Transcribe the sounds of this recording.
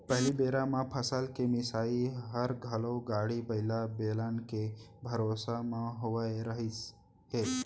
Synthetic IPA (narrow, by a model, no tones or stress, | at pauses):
pəɦlibeːɾamãpʰəsəlkemɪsaːiɦəɾɡʱɐloɡaːɽibɐɪlabeːlənkebʱɐɾoːsamãɦoʋaeɾəɦi | ɦeː